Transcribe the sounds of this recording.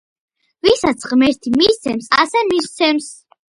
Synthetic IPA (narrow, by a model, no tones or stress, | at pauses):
visat̪sʰʁmɛɾt̪ʰimist̪sʰɛmsa̰sɛmist̪sʰɛms